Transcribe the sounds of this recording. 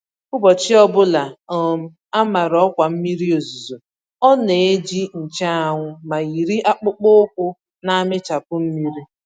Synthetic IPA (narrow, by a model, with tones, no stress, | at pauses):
kʊ˦bɔ˨t͡ʃɪ˦ɔ˦bʊ˦la˨o˨m̩˦ | a˦ma˨ɾɔ˦kʷa˨m̩˦mi˦ɾi˦o˨zu˨zo˨ | ɔ˦ne˨e˦d͡ʒi˦n̩˨t͡ʃa˦a˨ŋʷʊ˦ma˨ɣi˨ɾi˦ʔa˦k͡pʊ˦k͡pʊ˦kʊ˦ | na˦mɪ˦t͡ʃa˨pʊ˦m̩˦mi˦ɾi˦